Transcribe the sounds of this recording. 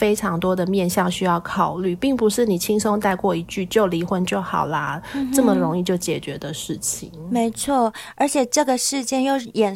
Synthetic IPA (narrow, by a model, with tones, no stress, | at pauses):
e˥ɪʈ͡ʂʰɑ˧˥ŋt̪wɔ˥d̪ə˨mjɛ˥˧nɕjɑ˥˧ŋɕy˥jɑ˥˩ʊkʰɑ˨˩ʊly˥˨˩pi˥˩ŋpu˧˦ʂɻ̩˥˩ni˨˩t͡ɕʰi˥ŋso˥ŋt̪a˥˧ɪkwɔ˥˩i˧˥t͡ɕy˥˧t͡ɕjo˥˩ʊli˧˥xwə˧˥nt͡ɕjo˥˩ʊxɑ̰˨˩ʊlɐ˦ʈ͡ʂɤ˥˩mə˨ɻo˧˥ŋi˥˧t͡ɕjo˥˩ʊt͡ɕjɛ˨˩t͡ɕɥɛ˧˥d̪ə˧ʂɻ̩˥˩t͡ɕʰi˨ŋme˧˥ɪt͡sʰwɔ˥˩ə˧˥t͡ɕʰjɛ˨˩ʈ͡ʂɤ˥˩ɡə˩ʂɻ̩˥˧t͡ɕjɛ˥˧njo˥˩ʊjɛ˨˩n